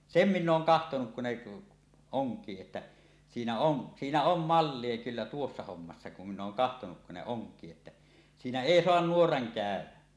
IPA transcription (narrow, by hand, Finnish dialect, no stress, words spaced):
sem minː oːŋ kɑhtonuk kun ne oŋkˑiː etːæ siːnæ on siːnæ om mɑlːie kylːæ tuosːɑ homːɑsːɑ kum minˑ oːŋ kɑhtonuk kun ne oŋkˑiː etːæ siːnæ eˑi soɑn nuorɑŋ kæˑø̝wæ